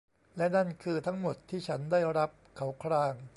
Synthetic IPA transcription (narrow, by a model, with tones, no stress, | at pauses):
lɛ˦˥na˥˩nkʰɯː˧t̪ʰa˦˥ŋmo˨˩t̪ʰːiː˥˩t͡ɕʰa˦˥ndaː˥˩jɾa˦˥p̚kʰa˩˦wkʰɾaː˧ŋ